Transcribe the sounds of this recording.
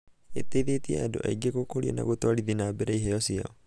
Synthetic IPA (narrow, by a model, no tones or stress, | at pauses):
eteðetiɛ̰ado̰ʔa̰iɡekokoɾiɔ̰na̰ɣotoaɾiðinaːbeɾaiɦɛjɔsia̰ɔ